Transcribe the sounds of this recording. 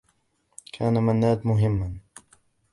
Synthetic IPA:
kʰaːnamanːaːd̪mʊɦɪmːan

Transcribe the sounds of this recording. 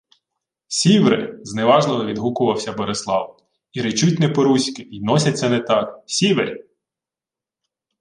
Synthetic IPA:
sʲiʋɾɪ̰zneʋɑʒnˠɔɦʋʲid̪ɦukʊʋɐwsʲɐbɔɾeslˠɑw | iɾet͡ʃut̚ʲnɛpɔɾusʲkɪinɔsʲɐtʲt͡s̪ʲɛnɛt̪ɑksʲiʋḛɾʲ

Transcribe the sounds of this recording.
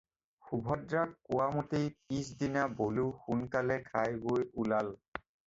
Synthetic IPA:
xubʱɔdɹakːʊwamutipis̬dinaboluxunkalɛkʰajɡojulal

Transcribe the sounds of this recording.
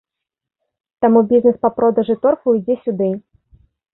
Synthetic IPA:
t̪amubʲizʲnɛspɐpɾɔd̪ɐʐɨt̪ɔrfujd͡zʲɛsʲud̪ɨ

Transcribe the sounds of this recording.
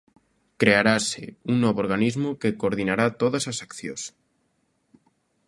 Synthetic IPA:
kɾeaɾaseuŋnoβoɾɣanizmukekoːɾð̞inaɾat̪oðasasakθjos

